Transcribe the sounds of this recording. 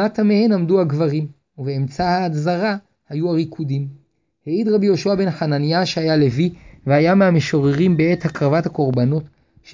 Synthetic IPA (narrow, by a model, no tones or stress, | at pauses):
atamehe̞namduaɡvaʁim | uveːmt͡sahaːzaʁa | hajuaʁikʰudim | heidʁabijo̞ʃuabe̞nχananjaʃehajale̞viveajameameʃoʁeʁimbee̞thakʁavathako̞ʁbano̞t | ʃ